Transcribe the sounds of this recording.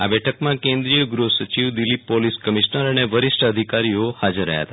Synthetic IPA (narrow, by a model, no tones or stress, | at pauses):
abɛʈʰəkmãkẽnd̪ɾijəɡɾusət͡ʃiʋd̪ilːipːoliskəmiʃnəɾəneʋəɾɪʃʈʰəəd̪ʱikaɾiohad͡ʒəɾːə̰ɦja̰t̪a